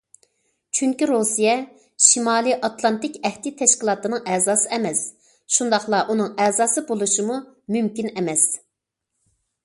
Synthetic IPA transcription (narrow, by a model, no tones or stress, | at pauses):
t͡ʃʰyŋkʲiɾosijɛ | ʃimɑːlˠiʔɑt̪lˠɑnt̪ɪkʲɛht̪it̪ʰɛʃkʲilˠɑːt̪ɨnɨŋʔɛzɑːsɨɛmɛs | ʃund̪ɑχlˠɑʔunɨŋɛːzɑːsɨbolˠuʃimu | mymkʲinɛmɛs